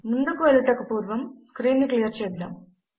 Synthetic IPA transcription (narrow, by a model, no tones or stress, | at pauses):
mund̪ɐkːuʋɐluʈːɐkːɐpuːɾʋɐmskɾiːnːɨklijɐrt͡ɕeːjd̪ːa̰ːm